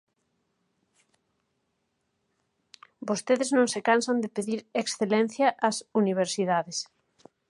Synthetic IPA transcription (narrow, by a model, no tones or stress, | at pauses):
bost̪eðɪznõŋsekansand̪ɪpeðiɾeksθelɛn̟θjɐʔːsuniβ̞eɾsiðaðes